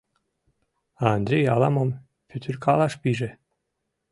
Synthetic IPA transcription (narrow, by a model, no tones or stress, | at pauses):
ɑnd̪ɾʲejɑlˠɑmom | pʲyt̪ʰyrʲkʰɑlˠɑʃpiʒe